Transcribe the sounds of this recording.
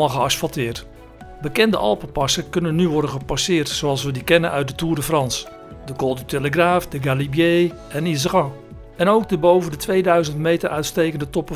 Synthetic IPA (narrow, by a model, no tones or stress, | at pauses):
aχəɑsfɑlˠtɪːɹt | bəkɛndə̰ʔɑ̰lˠpəpɑsəkɵnənyʋɔɹdənχəpɑsɪːɹtsoɑlˠsʋədikɛnə̰nʔœ̰ɥt̚dətuːɹdəfrɑns | dəkɔlˠdyteləχraːfdəɡalibjej | ʔɛniz̬əɣɑ̃ | ɛnowɡ̚dəbowvəndətʋejdœɥzəntmejtəɹʔœɥtstejkəndətɔpə